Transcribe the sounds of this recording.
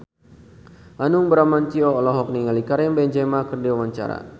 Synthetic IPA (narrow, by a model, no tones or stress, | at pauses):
ʔanʊŋbəɾamant͡ʃiɔːlɔɦɔk̚niŋalikaɾɛmbɛɲd͡ʒɛmakɨrdiwawaɲt͡ʃa̰ɾa̰